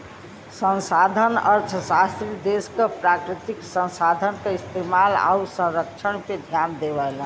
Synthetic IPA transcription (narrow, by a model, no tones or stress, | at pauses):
sə̃nsad̪ʱənəɾt̪ʰəsast̪ɾid̪eskepɾakɾit̪iksə̃nsad̪ʱənkeist̪emala̰usə̃ɾəkt͡ʃʰənked̪ʱjand̪eβəl